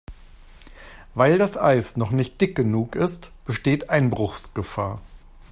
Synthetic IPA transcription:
vaɪldasʔa̰ɪsnɔχnɪçt̚d̥ɪk̚ɡ̥ənuːkɪstb̥əʃteːtʔaɪnbʁʊxsɡ̥əfaːɐ

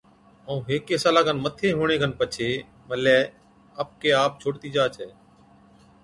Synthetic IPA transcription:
əũːɦeːkeːsaːlaːɡənmət̪ʰeːɦoːɳ̃eːɡənpət͡ʃʰeː | məlɛː | əp̚keːaːp̚t͡ʃʰoːɽt̪iːd͡ʒaːt͡ʃʰɛː

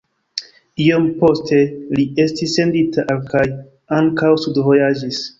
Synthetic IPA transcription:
iompo̞ste̞lie̞stisːe̞nditaʔkaj | aŋkawsudvo̞jad͡ʒis

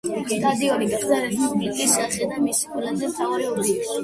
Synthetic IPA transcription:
sad̪iɔɾiɡaɡzaɾɛblisbik̪ʼisasɛd̪amisi̥kkʰwɛlazɛmt̪ʰavaɾɛuɾd̪ili

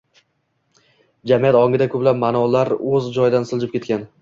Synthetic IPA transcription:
d͡ʒamijat̪ɒŋɡʲɪd̪akʰɵblap̚manɒlaɾɵzd͡ʒɒjɪd̪ansɪlˠd͡ʒɪpkʲe̞t̪̚kʲan

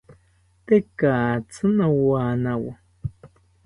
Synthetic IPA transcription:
t̪ekaːt͡sɨnawaːnãwa̰

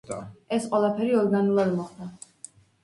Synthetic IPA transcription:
ɛsqʼwɛlˠapʰɛɾiɔɾɡanulˠad̪mɔχd̪a

